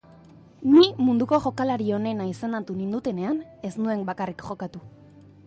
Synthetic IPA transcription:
nimund̪uko̞ʝo̞kalaɾio̞ne̞naisenat̪unind̪ut̪e̞ne̞ane̞snue̞mbakarikʝo̞kat̪u

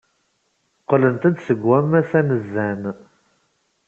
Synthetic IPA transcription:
qlənt̪æd̪səɡæmæsænəzːæn

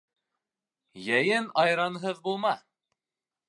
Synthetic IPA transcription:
jæjɘnɑjɾɑnɦɤðbulˠmɑ

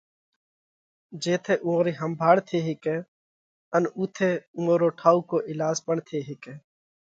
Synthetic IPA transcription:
d͡ʒeːt̪ʰeːʔũːoːɾiːɦəmbʱaːɽt̪ʰeːɦɪkeː | ənuːt̪ʰeːũoːɾoːʈʰaːuːkoːʔɪlaːzpəɳt̪ʰeːɦɪkeː

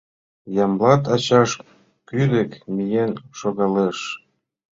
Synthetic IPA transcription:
jɑmlɑt̪ɑt͡ɕɑʃ | kyd̪ĕkmijenʃoɣɑleʃ

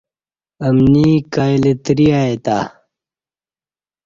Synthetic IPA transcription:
ɐmniːkaːilet̪ɾiaet̪aː

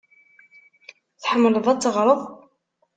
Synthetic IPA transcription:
θħəmːləðˤæt͡sːəʁɾˤəðˤ

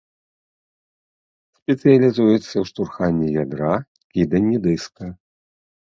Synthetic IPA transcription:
sʲpʲɛt̪sɨjɐlʲizujɛt̪sːɐwʂt̪urxanʲːɛjad̪ɾa | kʲid̪ɐnʲːid̪ɨskɐ

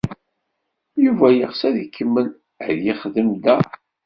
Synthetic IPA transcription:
juvæjəʁsæðikʰːəmːən | ʕðjiχðəmd̪æ

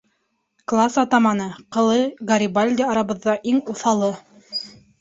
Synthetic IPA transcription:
klˠasɑt̪ɑmɑnɤqɤ̆lˠɤɡɐɾʲibalʲd̪ʲɪɑɾɑβɤ̆ðːɑʔiŋuθɑlˠɤ

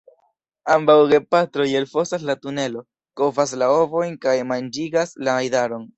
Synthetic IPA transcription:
ambawɡe̞patɾoje̞lfo̞sas̬latune̞lo̞ | ko̞vas̬lao̞vo̞jnkajmand͡ʒiɡaslaajdaɾo̞n

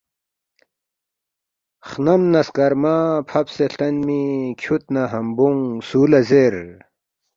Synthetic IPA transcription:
χnɐmnɐskɐɾmaːpʰɐpseɬɐnmikʰut̪̚naɦɐmbuŋsuːlɐzeːɾ

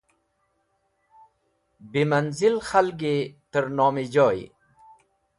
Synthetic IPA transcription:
bimanzɪlxalɡet̪əɾnɔːmid͡ʒɔːj

